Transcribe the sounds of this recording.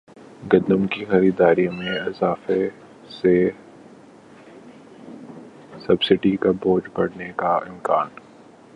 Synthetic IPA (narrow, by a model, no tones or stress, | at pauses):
ɡɐnd̪əmkixɐɾiːd̪aːɾimẽɪzaːfe | se | sɐbsɪɖikaboːd͡ʒbɐɽ̤nekaɪmkaːn